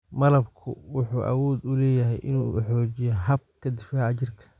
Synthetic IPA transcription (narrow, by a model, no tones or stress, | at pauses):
mɐlɐbkʰʊ̰wʊħuːʔɐ̰wɔːd̪ʊlɛːjɐɦɛjʔɪ̰nuːħɔːt͡ʃɪjɐɦɐb̚kʰɐd̪ɪfaʕɑt͡ʃɪrkʰɐ̥